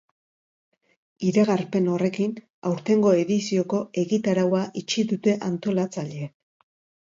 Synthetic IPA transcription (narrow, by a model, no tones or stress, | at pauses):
iɾaɣaɾpe̞no̞re̞kin | awɾt̪e̞ŋɡo̞e̞ðisio̞ko̞e̞ɣit̪aɾawaʔit͡ʃiðut̪e̞ʔant̪o̞lat͡saʎe̞